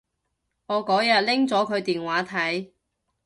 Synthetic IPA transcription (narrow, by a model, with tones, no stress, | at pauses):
ŋɔː˨˧kɔː˨˥jɐ˨t̚lɪ˥ŋt͡sɔː˨˥kʰɵ˨˧ɥt̪iː˨nwaː˨˥t̪ʰɐ˨˥j